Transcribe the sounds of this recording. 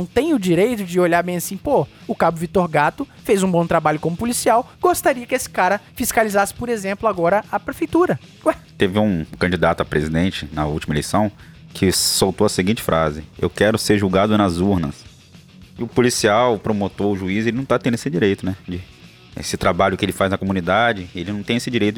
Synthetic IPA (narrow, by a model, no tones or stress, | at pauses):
w̃t̪ẽj̃ʊd͡ʒiɾejt̪ʊd͡ʒɪoʎaɾbẽj̃asĩpoʊkabʊvit̪oɾɡat̪ʊfejzũbõw̃t̪ɾabaʎʊkõmʊpʊlisiawɡ̥ost̪aɾiɐkɪesɪ̥kaɾɐfiskalizasɪ̥poɾezẽmplʊaɡɔɾɐʔapɾefejt̪uɾɐ | ɛt̪evɪũkɐ̃d͡ʒid̪at̪ʊɐpɾezid̪ẽnt͡ʃɪnɐuwt͡ʃimɐelejsɐ̃w̃ | kʰɪsowt̪owɐseɡĩnt͡ʃɪ̥fɾʔazɪḛwkɛɾʊseɾʒuwɡad̪ʊnɐzuɾnɐs | ʊpulisiawpɾomot̪oɾʊʒuizelɪnɐ̃w̃t̪at̪ẽd̪esɪd͡ʒiɾejt̪ʊnɛd͡ʒɪ | ḛsɪt̪ɾabaʎʊkɪelɪfaznɐkomũnid̪ad͡ʒɪelɪnɐ̃w̃t̪ẽesɪd͡ʒiɾejt̪ʊ